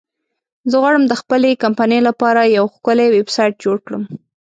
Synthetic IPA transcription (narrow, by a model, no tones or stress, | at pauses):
zəɣwɑɽəmd̪əxpəlekampanəlapɑɾajawxkʊlewebsɑjʈ̚d͡ʒoɽkɽə̰m